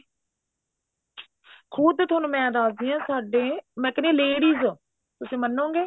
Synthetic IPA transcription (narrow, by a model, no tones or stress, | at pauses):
kʰʊːd̪t̪ʰʊnũːmɛ̃ːd̪aːsd̪ɪjãːsaːɖeːmɛ̃ːkɪneːleːɽiːzː | t̪ʊsĩːmənːõːɡeː